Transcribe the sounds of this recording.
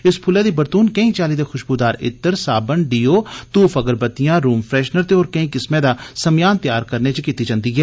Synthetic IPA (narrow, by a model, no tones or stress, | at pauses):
ɪspʰʊleːd̪iːbəɾt̪uːnkəĩːt͡ʃaːliːd̪eːxʰʊʃbuːd̪aːɾɪ̰t̪ːəɾsaːbənɖiːoːt̪uːfʰəɡəɾbət̪ijãːɾuːmpʰɾɛːʃnəɾt̪eɔːɾkəĩːkɪsmẽːd̪aːsəmjaːnt̪jaːɾkəɾneːt͡ʃəkiːt̪iːd͡ʒãːnd̪iːɡɛː